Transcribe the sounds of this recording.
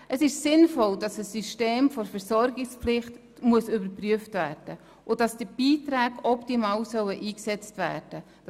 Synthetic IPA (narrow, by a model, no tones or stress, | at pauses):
ʔəsɪʃsɪnfɔldɑsəsːyʃteːmfɔɾfɛɾsɔɾɡɪksplɪχt | muəsʏbəɾpryəftvæːrd̥ə | ʔʊdɑsd̥əb̥iːtɾæːɡɔptimɑːwsœwəʔiːksɛt͡stʋæːɾd̥ə